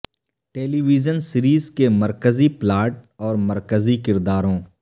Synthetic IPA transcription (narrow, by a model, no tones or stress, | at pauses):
ʈeːliːʋiːd͡ʒənsɪɾiːzkemɐɾkəziplaːʈ̚ɔːɾmɐɾkəzikɪɾd̪aːɾõː